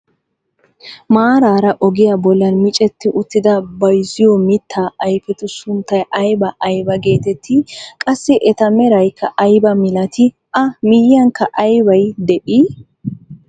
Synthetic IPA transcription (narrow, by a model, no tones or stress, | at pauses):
maːɾaːɾɐʔɔɡɪjabɔlːɐnmɪt͡ʃʼɛt̪ːɪʔʊt̪ːɪd̪ɐbɐjzɪjɔmɪt̪ʰːaːʔɐjpɛt̪ʊsʊnt̪ːɐjʔɐjbɐʔɐjbɐɡe̞ːt̪ɛt̪ʰːɪkʼɐsːɪʔɛt̪ɐmɛɾɐjkʰːɐʔɐjbɐmɪlɐt̪ʰɪ | ʔɐmɪjːɐŋkːɐʔɐjbɐjd̪ɛʔi